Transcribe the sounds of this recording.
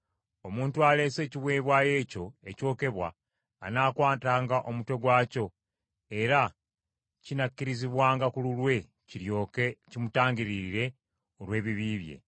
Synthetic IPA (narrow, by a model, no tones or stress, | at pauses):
o̞muːntuale̞se̞ːciβwe̞ːβwaje̞ːco̞e̞co̞ːke̞βwa̰ː | naːkwaːtaːŋɡaʔo̞mutwe̞ɡwaːco̞ | e̞ɾa | cinakːiɾiziβwaːŋɡakululwe̞ | ciɾjokcimutaːŋɡiɾiiɾe̞ | olwe̞ːβiβiːβje̞̰